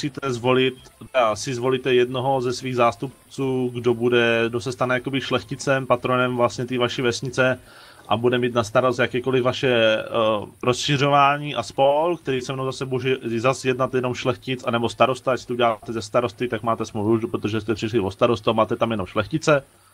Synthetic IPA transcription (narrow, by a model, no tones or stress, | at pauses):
usiːt̪ɛzvo̞lɪt̪t̪ɛasɪzvo̞liːt̪ɛjɛdnoɦo̞zɛsviːɣzaːst̪up̚t͡suːɡdobudɛɡdosɛst̪anɛjakobɪʃlɛxcɪt͡sɛmpat̪ɾonɛmvlast̪ɲɛt̪iːvaʃiːvɛsɲɪt͡sɛ | ʔabudɛmiːt̪nast̪aɾost̪jakɛːko̞lɪvvaʃɛ | ɾosʃɪr̝o̞vaːɲiːʔaspolkt̪ɛɾiːsɛmnowzasɛbuʒɛzasjɛdnat̪jɛno̞mʃlɛxcɪt͡sanɛbost̪aɾo̞st̪ajacsi̥t̪ouɟɛlaːaːt̪ɛzɛst̪aɾo̞st̪ɪt̪akmaːt̪ɛsmouʒdupɾot̪oʒɛs̬t̪ɛpr̥ɪʃlɪvo̞st̪aɾost̪uamaːt̪ɛt̪amjɛno̞mʃlɛxcɪt͡sɛ